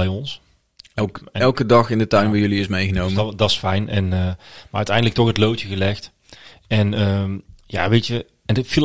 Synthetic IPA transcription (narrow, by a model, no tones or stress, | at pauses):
ɛjɔns | ɛɛlˠkədɑχɪndətœɥnbəjɵliɪsmejɣənowmədɑsfɛjnɛnəːmaːœɥtɛjndələk̚tɔχɦətlowtəɣəlɛxt | ɛnəːmja̰ːʋejtə | ɛndɪtfilˠ